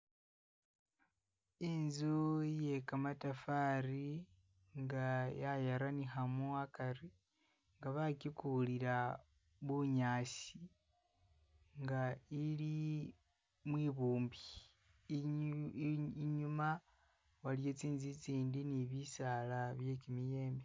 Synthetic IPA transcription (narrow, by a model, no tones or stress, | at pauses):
inzuje̞kamatafaːɾi | ŋɡajajaɾanixamuakaɾi | ŋɡaβakikuliɾa | βuɲaːsi | ŋɡaili | mwiːβuːmbi | iɲuma | walijo̞t͡siːnzit͡siːndiniβisalaβje̞kimije̞ːmbe